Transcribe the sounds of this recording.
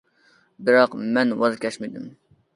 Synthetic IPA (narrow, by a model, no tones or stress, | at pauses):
bɪɾɑqmɛnwɑzkʲʰɛʃmid̪ɪm